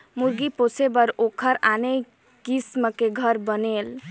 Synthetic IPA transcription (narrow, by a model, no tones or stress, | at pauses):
muɾɡiposebəɾokʰəɾane | kisməkeɡʱəɾbənel